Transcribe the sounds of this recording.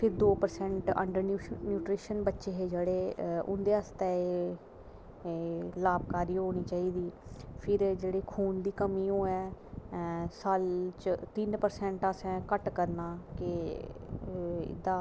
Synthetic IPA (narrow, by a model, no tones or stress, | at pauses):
pʰɪɾd̪oːpəɾsɛ̃ɳʈə̰ɳɖəɾnunjuːʈɾiːʃənbətːʃeːɦeːd͡ʒeːɽeːʊ̰̃nd̪eːəst̪ɛːe | laːb̚kaːɾiːɦoːɽ̃iːt͡ʃaːiːd̪iːpʰɪɾd͡ʒeːɽeːkʰuːnd̪iːkəmiːoːɛː | salt͡ʃt̪ɪnpəɾsɛ̃ɳʈəsɛ̃ːkəʈkəɾnaːkɪ | ɪ̰d̪aː